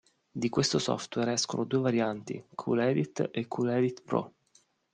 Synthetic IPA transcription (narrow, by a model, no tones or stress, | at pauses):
d̪ikwest̪osɔ̰ft̪wɛrɛskonod̪uːevaɾjant̪ḭkʰṵlɛd̪it̪ːekʰːulɛd̪it̪pɾɔ̰